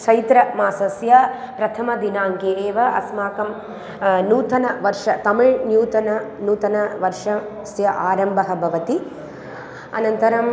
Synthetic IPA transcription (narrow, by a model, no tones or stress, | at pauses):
t͡ʃɐjt̪ɾɐmaːsɐsjɐ | pɾɐt̪ʰɐmɐd̪inaːŋkeeːʋɐɐ̰smaːkɐm | nuːt̪ɐnɐʋɐɾʂɐt̪ɐmiɻnjuːt̪ɐnɐnuːt̪ɐnɐʋɐɾʂɐ | sjɐʔaːɾɐmbʱɐɦɐbʱɐʋɐt̪i | ɐ̰nɐnt̪ɐɾɐm